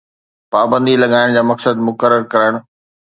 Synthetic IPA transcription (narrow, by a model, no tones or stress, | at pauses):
paːbə̃nd̪ilɐɠaːɪɽ̃d͡ʑaːmɐksəd̪mʊkəɾəɾkɐɾəɽ̃